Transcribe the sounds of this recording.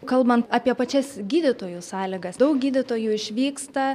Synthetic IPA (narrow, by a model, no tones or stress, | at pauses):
kɐlˠbɐnt̪ɑːpʲiɛpɐt͡ʃʲɛsɡʲiːd̪ʲɪt̪oːjuːsɑːlʲɪɡɐsd̪ɐʊk̚ɡʲiːd̪ʲɪt̪oːjuːɪʃʲʋʲiːkst̪ɐ